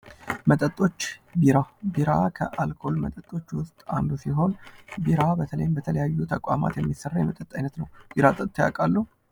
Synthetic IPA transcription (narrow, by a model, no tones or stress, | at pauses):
mət̪ʼət̪ʼːo̞t͡ʃːbiɾabiɾakʰəʔalkʰo̞lmət̪ʼət̪ʼːo̞t͡ʃːwʊst̪ʼa̰nd̪usiɦo̞nbiɾabət̪ʰələ̰jmbət̪ʰələjajːut̪ʰəkʼama̰t̪jɛmːisərːajɛmət̪ʼət̪ʼːajnət̪nəwbiɾat̪ʼət̪ʼːja̰kʼalːə